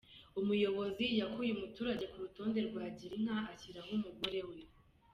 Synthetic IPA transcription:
umujo̞βo̞zijakujumutuːɾaɟe̞kuɾuto̞ːnde̞ɾɡwaːɟiɾiŋ̥haːciɾaɦumuɡo̞ɾe̞we

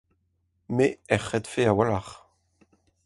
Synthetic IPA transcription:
meɛχːɛt̪feawalaʁ

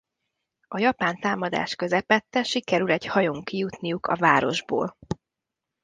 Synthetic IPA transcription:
ɒjɒpaːnt̪aːmɒd̪a̰ːʃkø̞zɛpɛt̪ːɛʃikɛɾylɛɟhɒjoŋkijut̪nijukʰɒ̰vaːɾo̞ʒbo̰ːl

